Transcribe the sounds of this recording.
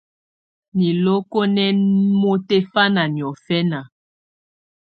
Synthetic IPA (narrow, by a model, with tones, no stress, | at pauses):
ni˨lo˦ko˦nɛ˦mo˦te˦fa˦na˨njɔ˨fɛ˦na˨